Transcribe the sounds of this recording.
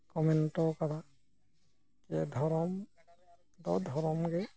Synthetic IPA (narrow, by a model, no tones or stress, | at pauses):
kɔmɛntɔkaɾa | kɛd̪ʱɔɹɔm | d̪ɔd̪ʱɔɹɔmɡɛ